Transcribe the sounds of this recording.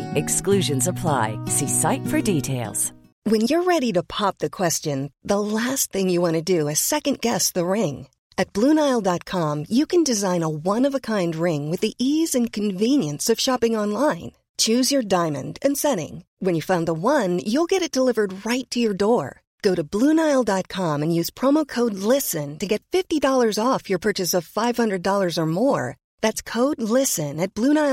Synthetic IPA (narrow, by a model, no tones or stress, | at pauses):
ɨksklʉʒɨ̃nzəpʰl̥a̰ɪsisaɪtfə˞ditʰeɪlˠz̥ | wɨ̃njə˞ɹɛɾiɾɨpʰɑp̚ðɨkʰw̥ɛst͡ʃɨ̃nðəlæst̪̚θɪ̃ŋjɨwɑ̃ñɨdɨɨsɛkɨ̃nɡ̥ɛsðəɹɪ̃ŋ | ɨt̚b̥lũnaɪlˠdɑt̚kʰɑ̃mjɨkʰɨ̃ndɨzãɪ̃nəwʌ̃nʌvəkʰãɪ̃nd̚ɹɪ̃ŋwɨðiʔizɨ̃nkʰɨ̃ɱvĩnjɨ̃nsʌv̥ʃɑpɪ̃ŋɑ̃nlãɪ̃n | t͡ʃʰʉzjə˞dãɪ̃mɨ̰̃ndɨ̃nsɛɾɪ̰̃ŋwɨ̃njɨfãʊ̃nðəwʌ̃njulˠɡɛɾɨt̚d̥əlɪvə˞d̚ɹaɪtʰɨjə˞dɔɹ | ɡ̥oʊɾɨblũnaɪl̩ˠdɑt̚kʰɑ̃mɨ̃njʉz̥pʰɹ̥ɑmoʊkʰoʊdˡlɪsɨ̃ntɨɡɛtfɪftidɔlˠə˞zɔfjə˞pʰɜ˞t͡ʃɨsʌv̥faɪv̥hʌ̃ndɹɨdɔlˠə˞zə˞mɔɹ | ðætskʰoʊdˡlɪsɨ̃nɨt̚b̥lũnaɪ